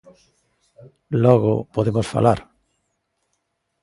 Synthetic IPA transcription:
loɣopoðemosfa̰laɾ

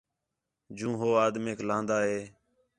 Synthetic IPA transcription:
d͡ʒũːɦoːaːd̪meːklãːnd̪aːɦeː

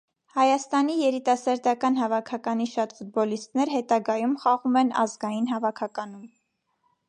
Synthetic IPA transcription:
hɑjɑst̪ɑnijɛɾit̪ɑsɑɾd̪ɑkɑnɦɑvɑkʰɑkɑniʃɑt̪fud̪̚bɔlist̪nɛɾhɛt̪ɑɡɑjumχɑʁumɛnɑ̰zɡɑjinɦɑvɑkʰɑkɑnum

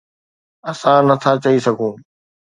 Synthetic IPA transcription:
ɐsãnɐt̪ʰat͡ɕɐisɐɡʱũː

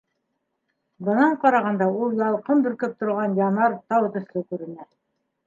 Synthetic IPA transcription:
bɤ̆nɑɴqɑɾɑʁɑnd̪ɑulˠjɑlˠqɤmbɵ̆ɾkɘp̚t̪ŏɾʁɑnjɑnɑɾt̪ɑwt̪ɵ̆slɘkʉɾɘ̆næ

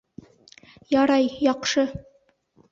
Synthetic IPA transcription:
jɑɾɑjjɑqʃɤ

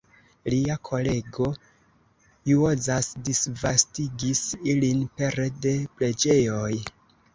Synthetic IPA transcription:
liakʰo̞le̞ɡo̞ | juozasdisvastiɡisilinpe̞ɾede̞ple̞d͡ʒe̞jo̞j

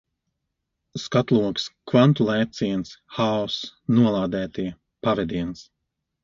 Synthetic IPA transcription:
skat̪lˠuɔkskvant̪ulˠɛjp̚t̪siɛnsxaɔsnuɔlˠaːd̪ɛːt̪i | pavɛd̪iɛns

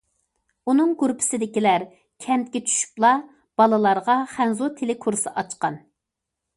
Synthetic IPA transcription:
unɨŋɡuɾpʰɪ̥sɪd̪ɪkʲilæɾ | kʲʰɛmt̪̚kʲɛt͡ʃʰy̥ʃy̥plˠɑ | b̥ɑlˠɨlˠɑɾʁɑχænzot̪ʰelɪkʰuɾsɨʔɑt͡ʃqɑn

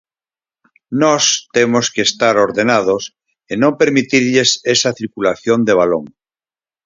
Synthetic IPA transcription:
nɔst̪emoskeest̪aɾoɾðenaðos | enõmpeɾmit̪iɾʎesesaθiɾkulaθjond̪eβ̞alo̰ŋ

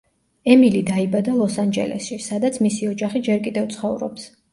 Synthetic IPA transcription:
ɛmilid̪aibad̪alˠɔsand͡ʒɛ̰lɛ̰sʃisad̪at̪sʰmisiɔd͡ʒaχid͡ʒɛɾkʼid̪ɛvt̪sʰχɔvɾɔ̰ps

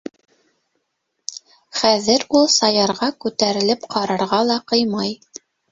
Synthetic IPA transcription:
χæðɘɾulˠsɑjɑɾʁɑkʉt̪æɾɘ̆lɘpqʰɑɾɑɾʁɑlˠɑqɤjmɑj

